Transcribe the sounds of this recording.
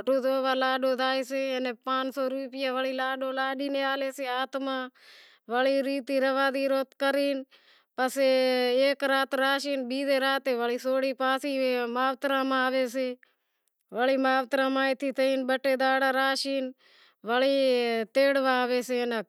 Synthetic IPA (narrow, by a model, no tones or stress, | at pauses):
ʈoːd̪oːʋaːlaːɖoːd̪aːiːseːnepãːnt͡ʃsoːɾuːpɪjaːʋəɭiːlaːɖoːlaːɖiːneːaːleːseːaːt̪mãː | ʋəɭiːɾiːt̪iːɾəʋaːd̪iːɾoːt̪kəɾiːn | pəseeːkɾaːt̪ɾaːʃiːnbiːd̪eːɾaːt̪eːʋəɭiːsoːɽiːpãːsiːmaːʋt̪ɾãːmãːʋeːseː | ʋəɭiːmaːʋt̪ɾãːmãːit̪ʰiːt̪əiːnbəʈeːd̪aːɽaːɾaːʃiːn | ʋəliːt̪eːɽʋãːʋeːseːnə